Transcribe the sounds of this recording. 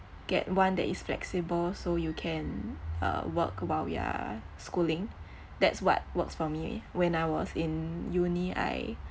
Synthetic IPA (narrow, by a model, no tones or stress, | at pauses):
ɡ̥ɛ̰t̚wãndɛ̰tisflɛ̰ksibəlsojukʰɛ̃nʌ̰wəkwalwḭa̰ | skulɪ̃ŋ | dɛtswɔ̰t̚wəksfɔmḭwɛ̃najwɔsĩnjunia̰ɪ